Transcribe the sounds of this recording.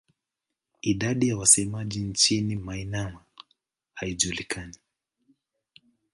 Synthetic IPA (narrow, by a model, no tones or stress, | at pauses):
iɗaɗijawasɛmaʄint͡ʃinimainama | haiʄulikʰani